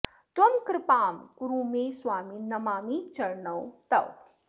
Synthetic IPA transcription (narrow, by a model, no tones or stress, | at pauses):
t̪wɐmkɾɪpaːmkuɾuːmẽːswaːminɐmaːmit͡ʃɐɾɳɐwt̪ɐw